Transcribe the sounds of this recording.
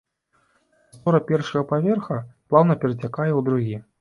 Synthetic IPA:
st̪ɔɾɐpʲɛrʂɐɣɐpavʲɛrxɐplˠawnɐpʲɛɾd͡zʲakajɛwd̪ɾuɣʲi

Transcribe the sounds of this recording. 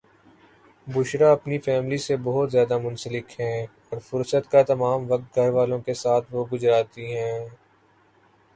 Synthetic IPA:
bʊʃɾaɐpnifɛːmlisebɐɦʊt̪zjaːd̪amʊ̃nsəlɪkɦɛ̃ː | ɔːɾfʊɾsət̪kat̪ɐmaːmʋɐk̚t̪̚ɡʱɐɾʋaːlõkesaːt̪ʰʋoɡʊzɾaːt̪iɦɛ̃ː

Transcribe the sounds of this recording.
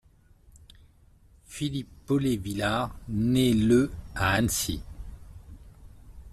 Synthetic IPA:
filipːɔlevilaʁnɛləaansḭ

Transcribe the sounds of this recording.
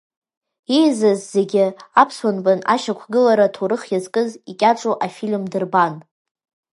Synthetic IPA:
ejzazːe̞ɡʲɪapʰswanbʼanaʃakʷʰɡɨlaɾatʰoɾɨχjazkʼɨzikʲʼaʈ͡ʂʼuʔafilmdɨrban

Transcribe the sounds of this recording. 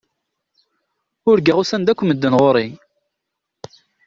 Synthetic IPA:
ʊɾɡiʁusænd̪ækʷːməd̪ːənʁʊɾˤi

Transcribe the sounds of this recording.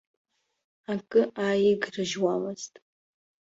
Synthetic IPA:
akʼɨʔajɪɡrɨʒwamɨz̥tʼ

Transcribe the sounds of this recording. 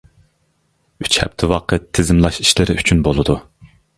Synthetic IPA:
yt͡ʃhɛ̰p̚t̪ʰɪwɑqət̪ʰːɪzɪmlˠɑʃi̥ʃlɪɾɪyt͡ʃʰynbolˠɨd̪u

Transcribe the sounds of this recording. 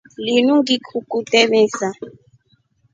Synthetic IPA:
linuŋɡikʰukʼutʼɛmɛːsa

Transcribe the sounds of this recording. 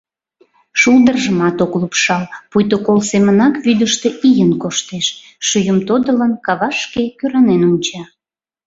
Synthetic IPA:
ʃulˠd̪ərʒəmɑt̪oklupʃɑlpujt̪okolsemənɑkβyd̪əʃt̪eʔijənkoʃt̪eʃ | ʃyjəmt̪od̪ələnkɑβɑʃkekøɾɑnenunʲt͡ɕɑ

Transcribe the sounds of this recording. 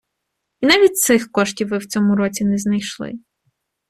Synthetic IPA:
inaʋʲit̚ʲt̪sɪxkɔʃtʲiwːɪwt͡sʲɔmʊɾɔt͡sʲinɛznɐjʃlˠɪ̰

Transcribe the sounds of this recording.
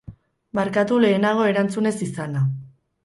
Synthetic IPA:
maɾkat̪ule̞ːnaɣ̞o̞e̞ɾant͡sune̞sisana

